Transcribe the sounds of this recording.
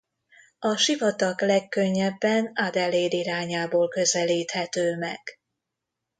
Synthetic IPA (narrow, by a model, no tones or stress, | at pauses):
ɒʃivɒt̪ɒklɛkːø̞ɲːɛbːɛnad̪ɛleːd̪iɾaːɲaːboːlkø̞zɛliːt̪hɛt̪øːmɛɡ̥